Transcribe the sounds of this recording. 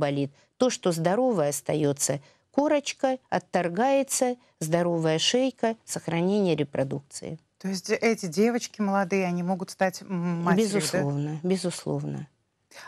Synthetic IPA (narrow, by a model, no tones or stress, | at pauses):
bɐlʲit̪ːo̞ʂt̪o̞zd̪ɐɾo̞vəjəɐst̪ɐjo̞t̪sə | ko̞ɾət͡ɕkəɐt̪ːɐrɡajɪt̪sə | zd̪ɐɾo̞vəjəʂejkəsəxɾɐnʲenʲɪjəɾʲɪpɾʔɐd̪uk̚t̪sɨ̰ɪ̰ | t̪oɪsʲtʲɛtʲɪdʲevət͡ɕkʲɪməlˠɐd̪ɨjəɐnʲimo̞ɡʊt̪st̪atʲːabʲɪzʊlˠovnəbʲɪzʊslˠo̞̰vnə̰